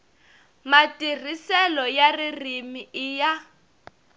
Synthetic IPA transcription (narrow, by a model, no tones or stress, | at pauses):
matʼir̤isɛlɔjaririmiɪja